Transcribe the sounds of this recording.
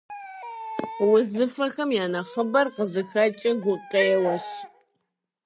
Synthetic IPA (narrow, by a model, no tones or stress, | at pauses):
wʊzɨfɐxɐmjaːnɐχəbɐrqəzɨxɐt͡ʃʼɐɡʷʊqɐjɛlɐɕ